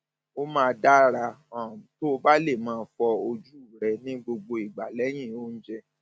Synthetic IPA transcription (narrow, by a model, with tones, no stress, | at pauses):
o˦mãː˦˧da˦ɾa˧ɔ̃˨to˦o˧ba˦le˦˨mãː˧fɔ˧o˧d͡ʒu˦u˦˨ɾɛ˧nĩ˦ɡ͡bo˧ɡ͡bo˧i˨ɡ͡ba̰˨lɛ˨˦j̃ĩ˦˨o˦ñ̩˦d͡ʒɛ˧